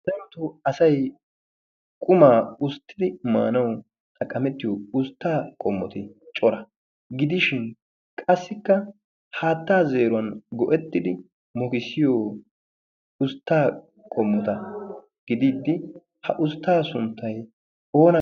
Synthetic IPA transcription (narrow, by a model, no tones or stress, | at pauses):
d̪ɐmt̪ʊɐsɐj | kʼʊmaːʊst̪ʰːɪd̪ɪma̰ːnɐw | t̪ʰɐkʼɐmɛt̪ːɪjɔʊst̪ːaːkʼɔmːɔt̪ɪt͡ʃʼɔɾɐ | ɡɪd̪ɪʃɪn | kʼɐsːɪkːɐ | haːt̪ːaːze̞ːɾʊɐnɡɔʔɛt̪ːɪd̪ɪ | mɔkɪsɪjoː | ʊst̪ːaː | kʼɔmːɔt̪ɐ | ɡ̥ɪd̪iːd̪ːɪ | hɐʔʊst̪ːaːsʊnt̪ːɐj | oːnɐ